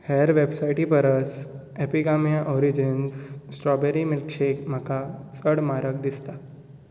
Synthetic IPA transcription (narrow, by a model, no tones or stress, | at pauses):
hɛəɾʋebsajʈipəɾəs | epiɡamijaʔɔɾid͡ʑinssʈɾɔbeɾimilkɕekm̤əkat͡səɽmaɾək̚d̪ist̪a